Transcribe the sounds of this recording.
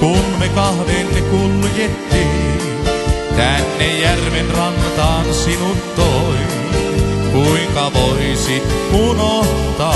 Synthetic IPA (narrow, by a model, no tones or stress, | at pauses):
kunmekɑhʋeːnːekuljet̪ːii | t̪ænːejjærʋenrɑŋt̪ɑːnsinutt̪t̪oi | kuiŋkɑʋoisit̪ | unoht̪ɑ